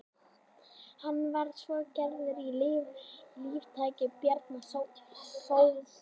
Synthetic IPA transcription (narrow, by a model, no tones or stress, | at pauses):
hanːvaɾsvɔcɛɾðʏɾilɪːvliːvt̪ʰaːjcɪpjɛɾt̪nassowðɪs